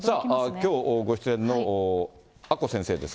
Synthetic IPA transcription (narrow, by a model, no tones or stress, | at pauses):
saːakʲo̞ːoɡo̞ɕi̥t͡sɨẽnːoː | ako̞sẽ̞ɰ̃se̞ːd̪e̞s